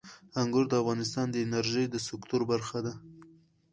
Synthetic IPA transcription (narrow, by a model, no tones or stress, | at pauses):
aŋɡʊɾd̪əavɣɑnɪs̬t̪ɑnd̪əɪnaɾʒəjd̪əsɪkt̪ʊɾbaɾxad̪a